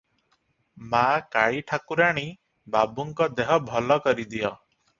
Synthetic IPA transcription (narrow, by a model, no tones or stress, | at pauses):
makaɭiʈʰakuɾaɽ̃i | babuŋkɔd̪eɦɔbʱɔlɔkɔɾid̪ijɔ